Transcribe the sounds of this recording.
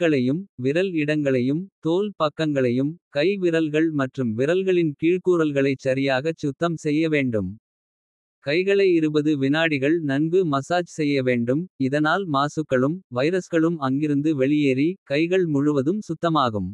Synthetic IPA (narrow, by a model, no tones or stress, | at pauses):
kːɐɭɐjɯmʋɪɾɐlɪɽɐŋɡɐɭɐjɯmt̪oːlpɐkːɐŋɡɐɭɐjɯmkɐɪʋɪɾɐlɣɐɭmɐʈrɯmʋɪɾɐlɣɐɭɪnkiːɻkuːɾɐlɣɐɭɐɪt͡ʃːɐɾɪjaːɣɐt͡ʃːʊt̪ːɐmsɛjːɐʋeːɳɖɯm | kɐɪɣɐɭɐɪɪɾɯbɐðɯʋɪnaːɽɪɣɐɭnɐnbɯmɐsaːd͡ʒsɛjːɐʋeːɳɖɯmɪðɐnaːlmaːsɯkːɐɭɯmʋɐɪɾɐsɣɐɭɯmɐŋɡɪɾɯnd̪ɯʋɛɭɪjeːɾikɐɪɣɐɭmʊɻʊʋɐðɯmsʊt̪ːɐmaːɣɯm